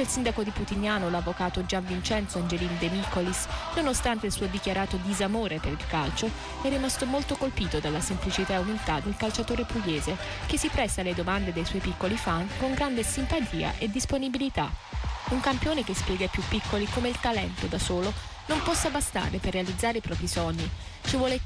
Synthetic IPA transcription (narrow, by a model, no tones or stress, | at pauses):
ilsind̪akod̪iput̪iɲːaːnolavːokaːt̪od͡ʒaɱvint͡ʃɛnt̪soand͡ʒelind̪emikolisnonost̪ant̪eilsuːod̪ikjaɾaːt̪od̪izamoːɾepeɾilkalt͡ʃo | ɛrːimast̪omolt̪okolpiːt̪od̪alːasemplit͡ʃit̪aeumilt̪ad̪elkalt͡ʃat̪oːɾepuɡeːze | kesːipɾɛsːaled̪omand̪ed̪ejswɔjpikːolifankoŋɡɾand̪esimpat̪ʰiːa̰ʔed̪ːisponibilit̪a̰uŋkampjoːnek̟espjɛːɡapːjupːikːolikomeilt̪alɛnt̪od̪asoːlonompɔsːabast̪a̰ːɾeperːealid̪zːaːɾeipɾɔːpɾisɔɲːi | t͡ʃivwɔːle